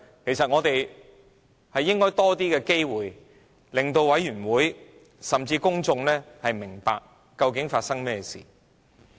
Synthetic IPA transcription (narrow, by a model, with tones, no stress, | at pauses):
kʰe˨˩jsɐ˨t̚ŋɔː˨˧t̪e˨j | hɐ˨jːɪ˥ŋkɔː˥jt̪ɔː˥t̪iː˥kɛː˧ke˥jwuː˨j | lɪ˨ŋt̪o˧wwɐ˨˥jyː˨˩nwuː˨˥j | sɐ˨mt͡siː˧kʊ˥ŋt͡sʊ˧ŋlɛː˥hɐ˨jmɪ˨˩ŋpa̰ː˧k̚ː | ɐ˧wkɪ˨˥ŋfaː˧t̚sɐ˥ŋmɛː˥sḭː˨˩